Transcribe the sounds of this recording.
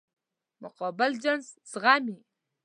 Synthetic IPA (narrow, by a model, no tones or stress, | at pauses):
mʊqɑbɪld͡ʒanzz̥ɣami